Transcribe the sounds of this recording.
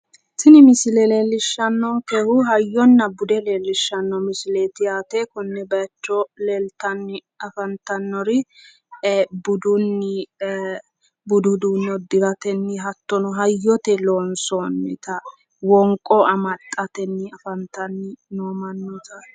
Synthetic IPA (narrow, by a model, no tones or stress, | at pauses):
sɪnɪmɪsɪlɛleːlːɪʃːɐnːɔkɛhʊɦɐjːɔnːɐbʊd̪ɛleːlːɪʃːɐnːɔmɪsɪleːt̪ɪjaːt̪ɛkɔnːɛbɐt͡ʃːɔlelt̪ɐnːɪ | ɐfɐnt̪ɐnːɔɾɪ | bʊd̪ʊnːɪ | bʊd̪ʊd̪unːɔd̪ɪɾɐt̪ɛnːɪɦɐt̪ːɔnɔɦɐjːɔt̪ɛloːnsonːɪ̰t̪ɐ | wɔŋkʼːɔɐmɐt̪ʼːɐt̪ɛnːɪɐfɐnt̪ɐnːɪnoːmɐnːɔt̪ɐ